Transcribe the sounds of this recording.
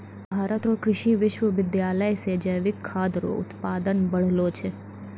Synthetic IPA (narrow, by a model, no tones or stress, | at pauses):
bʱaːɾət̪ɾokɾɪʃiʋɪʃʋəʋɪd̪jaːləjsed͡ʒəjʋɪkʰːaːd̪ɾo̰ʊ̰t̪paːd̪ənbɐɽ̤loːt͡ʃʰe